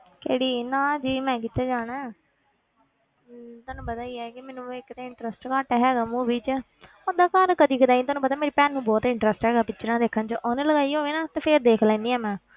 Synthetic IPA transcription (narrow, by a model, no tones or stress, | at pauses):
keːɽiːnãːd͡ʒiːmɛ̃ːk̬iːt̪aːd͡ʒaːɽ̃ɛː | t̪aːnũːpət̪aːiːɛːkɪmɛ̃ːnũːɪkːt̪eːɪɳʈɾəsʈkaːʈɛɦɛːɡaːmũːʋiːt͡ʃ | oːd̪aːkaːɾkəd̪iːkəd̪ãːiːt̪ʊaːnũːpət̪aːmeːɾiːpɛːnːũːbɔːt̪ɪɳʈɾəsʈɦɛːɡaːpɪt͡ʃʰːɾãːd̪eːkʰːənt͡ʃəʔoːnẽləɡaːiːɦoːʋeːnaːt̪eːpʰeɾd̪eːkʰlɛ̃ːnd̪iːaːmɛ̃ː